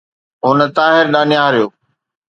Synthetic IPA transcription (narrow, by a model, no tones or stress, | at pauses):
ɦʊnə̆t̪aːɦɪɾɗaːnjaːɦɾjoː